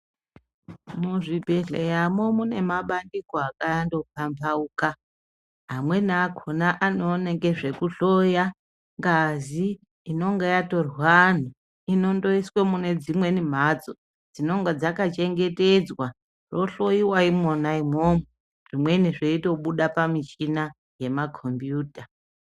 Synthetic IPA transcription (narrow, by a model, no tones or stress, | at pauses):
muʐibʱeɮejamomune̞maɓandikoakajando̞pambauka | ɦamwe̞naakʰonaʔanoːne̞ŋɡe̞ʐe̞kuɬoja | ŋɡaziː | no̞ŋɡejato̞rwan̤o | ino̞ndo̞iswemune̞d͡zimwe̞nim̤at͡so | d͡zino̞ŋɡed͡zakat͡ʃe̞ŋɡe̞te̞d͡zwa | ro̞ɬo̞jiwaimonaim̤omu | ʐimwe̞niʐeito̞ɓuɗapamit͡ʃina | je̞makʰo̞mbjuːta